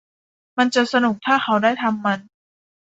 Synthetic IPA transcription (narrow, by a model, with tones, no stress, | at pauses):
ma˧nt͡ɕa˨˩ʔsa˧nu˨˩k̚t̪ʰaː˥˩xʰa˦˥wdaː˥˩jt̪ʰa˧mːa˧n